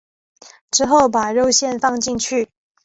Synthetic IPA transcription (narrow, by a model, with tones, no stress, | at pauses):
ʈ͡ʂɻ̩˥xo˥˨ʊpa˨˩ɻo˥˧ʊɕjɛ˥˨nfɑ˥˧ŋt͡ɕi˥˧ŋt͡ɕʰy˥˩